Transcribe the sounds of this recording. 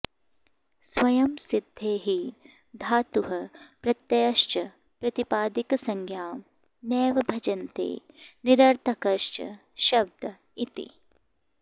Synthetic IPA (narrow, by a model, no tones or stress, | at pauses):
swɐjɐmsid̪ʱːeːɦi | d̪ʱaːt̪uɦɐpɾɐt̪jɐjɐʃt͡ʃɐ | pɾɐt̪ipaːd̪iksɐŋɡʱjaːm | nɛːʋɐbʱɐd͡ʒɐnt̪ḛː | niɾɐɾt̪ʰɐkɐʃt͡ʃɐ̰ | ʃɐb̚d̪ʱɐ | it̪ḭ